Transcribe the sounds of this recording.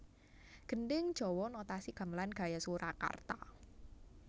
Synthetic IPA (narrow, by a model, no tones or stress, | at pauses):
ɡ̥ə̤ndɪŋ̥ʒ̥ɔ̤wɔnɔt̪asiɡ̥a̤mlanɡ̥a̤jasuɾaka̰rt̪a